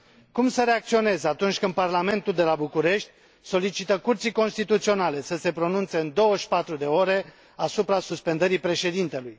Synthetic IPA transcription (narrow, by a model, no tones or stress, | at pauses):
kumsəɾe̞ak̚t̪sio̞ne̞zeat̪unt͡ʃʲkɨnd̪̚parlame̞nt̪uld̪e̞labukuɾe̞ʃt̪ʲ | so̞lit͡ʃit̪əkurt̪sijko̞nst̪it̪ut̪sio̞nale̞səse̞pɾo̞nunt̪se̞ɨnd̪o̞wəʃpat̪ɾud̪e̞o̞ɾe̞ | asupɾasuspe̞nd̪əɾipɾe̞ʃe̞d̪int̪e̞luj